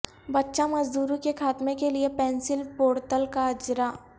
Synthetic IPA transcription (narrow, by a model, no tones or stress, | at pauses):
bɐtːʃamɐzd̪uːɾũkekʰaːt̪mẽkeliepɛ̃ːnsɪlpoːɾt̪əlkaɐd͡ʒɾaː